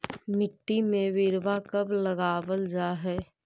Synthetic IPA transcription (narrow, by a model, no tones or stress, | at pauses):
mɪʈːimẽʋɪɾʋakəbləɡaːʋəld͡ʒaːɦɛː